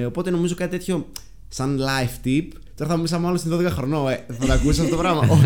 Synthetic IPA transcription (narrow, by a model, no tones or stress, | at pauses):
o̞po̞t̪e̞no̞mizo̞kɐt̪it̪et̪ço̞ | sɐnlɐjft̪ip | t̪o̞ɾɐθɐmumisɐmɐlost̪inðo̞ðekɐxɾo̞noeθɐt̪ɐkus̬ɐt̪et̪opɾɐmɐʔo